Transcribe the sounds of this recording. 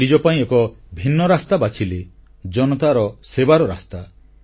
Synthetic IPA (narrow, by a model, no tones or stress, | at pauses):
id͡ʒɔpaĩekɔ | bʱinːɔɾast̪abat͡ʃʰile | d͡ʒɔnɔt̪aɾɔsebaɾɔɾa̰st̪a